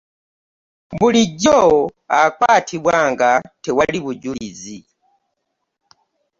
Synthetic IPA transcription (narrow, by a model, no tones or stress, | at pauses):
buliɟɔakwatʰibwaːŋɡatɛwaliβuɟuizi